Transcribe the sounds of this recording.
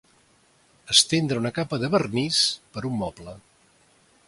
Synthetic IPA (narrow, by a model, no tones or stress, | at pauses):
əst̪end̪ɾəunəkapəðəβərnispəɾumːɔplə